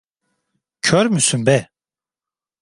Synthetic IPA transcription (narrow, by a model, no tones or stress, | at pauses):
cʰøɾmysynbɛ